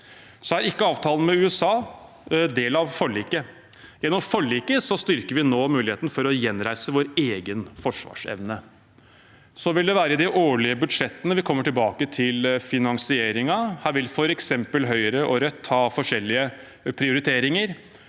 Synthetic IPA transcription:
sɔæɾɪkːəɑːʋt̪ʰɑːlənmɛʉːɛsɑː | d̪eːlɑʋfɔɭiːkə | jɛnːɔmfɔɭiːkəsɔst̪ʏɾkəɾʋɪnoːmʉːlɪheːt̪n̩fɔɾɔjɛnɾæɪsəʋoːɾeːɡənfɔʂʋɑ̰ːʂɛ̰ʋnə | sɔʋɪld̪ɛʋæːɾəd̪ɪʔoːɭɪəbʉd̪ʂɛt̪ːənəʋɪkʰɔmːəʈɪlbɑːkət̪ʰɪlfɪnɑŋsɪeːɾɪŋɑhæːɾʋɪlfɔɾɛksɛmpəlɦœʏəɾəʔɔɾœt̪ːhɑːfɔʂɛlːɪə | pʰɾɪʊɾɪt̪ʰeːɾɪŋəɾ

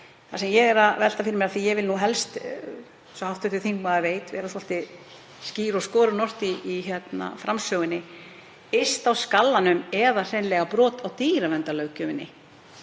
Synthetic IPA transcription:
θasɛmjɛɣɛɾaðvɛl̥t̪afɪɾɪmɪɾaθijɛɣvɪlnuɦɛlst̪ | sɔhawht̪ʏht̪ʏθiŋkmaðaveːjt̪vɛ̰ːɾaθɔl̥t̪ɪ | sciːɾɔskɔːɾʏnɔr̥t̪iːçɛt̪na̰fɾamsœːɣɪnːɪ | est̪awskalːanʏmɛðar̥ɛnlɛɣapɾɔːt̪awt̪iːɾavɛnt̪alœɥwcʏmɪnːɪ̰

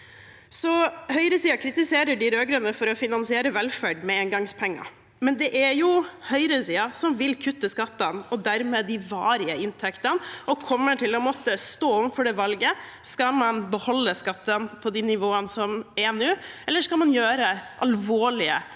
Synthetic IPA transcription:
sɔhœʏɾəsiːɑkʰɾɪt̪ɪseːɾəɖɪɾøːɡɾənəfɔɾɔfɪnɑnsɪeːɾəʋɛlfæɖmɛeːŋɡɑŋspʰɛŋːɑ̰ | mɛnd̪ɛʔæɾjʊhœʏɾəəsiːɑsɔmʋɪlkʰʉt̪ːəskɑt̪ːɑnɔd̪æɾmeːd̪ɪʋɑːɾɪəɪnt̪ʰɛkt̪ənʔɔkʰɔmːəʈʰɪlɔmɔt̪ːəst̪oːɔʋənfɔɖɛʋɑlɡə | skɑmɑnbəhɔlːəskɑt̪ːənpʰɔd̪inɪʋoːənsɔmɛnʉːɛlːəʂkɑlmɑnjøːɾəʔɑlʋoːɭɪə

